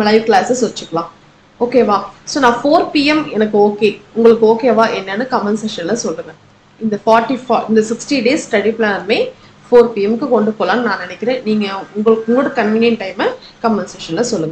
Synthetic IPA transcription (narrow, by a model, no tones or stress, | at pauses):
nɐmɐlɐɪʋklaːsɐsʋɐt͡ʃːɯkːɐɭãː | oːkeːʋãːsoːnãːfoːɾpiːɛmɛnɐkːɯoːkeːʊŋɡɐɭɯkːɯoːkeːɐʋaːʔɛnːɐnːɯkɐmɐnseʃɐnlɐsɔlːɯŋɡɐ̃ | ɪnd̪ɐfaːɾʈːifaːɪnd̪ɐsɪksʈiɖeːssʈɐɽiplaːnɾmeː | foːɾpiːɛmkːɯkɔɳɖɯpoːlãːnɯnãːnɪnɛkʲːɪɾẽːniːŋɡɐʊŋɡɐɭɯkːʊŋɡɭoːɽɐkɐnʋiːnjɐnʈɐɪmɐkɐmːɐnseʃɐnlɐsɔlːɯŋɡɐ̃